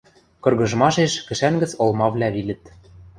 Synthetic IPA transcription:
kɤ̆rɣɤ̆ʒmɑʃeʃkɘ̆ʃæŋɡɘ̆t͡sŏlˠmɑvlʲæβilʲɘ̆t̪

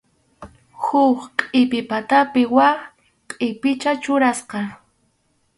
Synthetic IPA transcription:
hʊχqʼɪpɪpat̪apɪwa | qʼɪpɪt͡ʃat͡ʃʊɾasqɑ

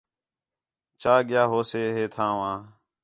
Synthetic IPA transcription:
t͡ʃaːɠɪjaːɦoːseːɦeːt̪ʰãːʋãː

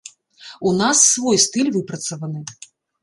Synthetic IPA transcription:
unasːvɔjst̪ɨlʲvɨpɾɐt̪sɐvɐnɨ

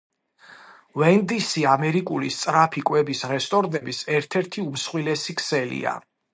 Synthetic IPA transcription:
vɛnd̪isiamɛɾikʼulist̪sʼɾapʰikʼwɛbisɾɛst̪ʼɔɾnɛbisɛɾt̪ʰɛɾt̪ʰiumsχwilɛsikʰsɛlḭa̰

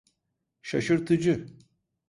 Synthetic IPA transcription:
ʃaʃɯɾt̪ʰɯd͡ʒɯ

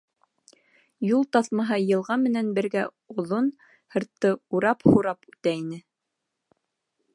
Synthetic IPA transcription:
julˠt̪ɑθmɑɦɑjɤ̆lˠʁɑmɘ̆nænbɘ̆ɾɡæ | ŏðon | hɤ̆ɾt̪ːɤuɾɑphuɾɑpʉt̪æinɘ

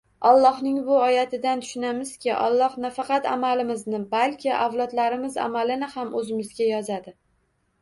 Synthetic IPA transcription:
ɒlˠːɒhnɪŋbʊɒjat̪ʰɪd̪ant̪ʰʊ̥ʃɪnamɪz̥kʲʰɪʔɒ̰lˠːɒhnafɑqɑt̪a̰malɪmɪznɪbalkʲɪʔavlˠɒt̪laɾɪmɪza̰malɪnɪhamʔɵzɪmɪzɡʲajɒzad̪ɪ

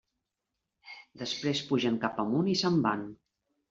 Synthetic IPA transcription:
d̪əspɾespuʒəŋkapəmunisəmban

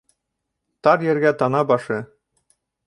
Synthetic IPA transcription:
t̪ɑɾjɘ̆ɾɡæt̪ɑnɑbɑʃɤ

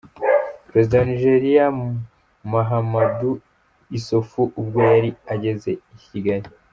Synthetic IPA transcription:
pɾe̞zidaniʒe̞ɾija | maɦamadu | isofuʔubɡo̞jaɾiaɟe̞ze̞iciɡaɾi

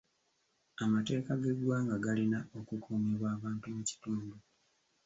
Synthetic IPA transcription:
amate̞ːkaɡe̞ɡwaːŋɡaɡalinao̞kukʰuːmeβwaːβaːntumuci̥tuːndu

